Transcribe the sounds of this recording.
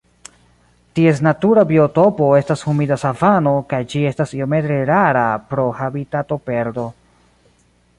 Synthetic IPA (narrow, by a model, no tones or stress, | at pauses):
tie̞s̬natuɾabioto̞po̞e̞stashumidasavano̞kajd͡ʒie̞stasiome̞t̪ɾe̞ɾaɾapɾo̞habitato̞pe̞ɾdo̞